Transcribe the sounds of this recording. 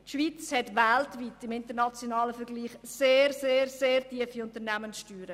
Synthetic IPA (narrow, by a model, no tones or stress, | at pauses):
ʃʋit͡shɛtʋæltviːtɪmɪntəɾnɑt͡sjonɑːləfəɾɡ̥liːχseːɾseːɾseːrtiəfiʊntəɾnæmənsʃtyːɾə